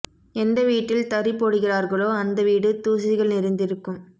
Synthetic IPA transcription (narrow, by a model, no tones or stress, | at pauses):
ɛnd̪ɐʋiːʈːɪlt̪ɐɾɪpːoːɽɯɣɪraːɾɣɐɭoːɐnd̪ɐʋiːɽɯt̪uːsɪɪɣɐɭnɪɾɪnd̪ɪɾɯkːɯm